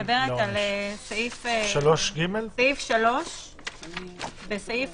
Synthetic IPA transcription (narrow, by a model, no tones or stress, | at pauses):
abeʁet̪alesaifʃaloʃɡimelsaifʃalo̞ʃ | besaif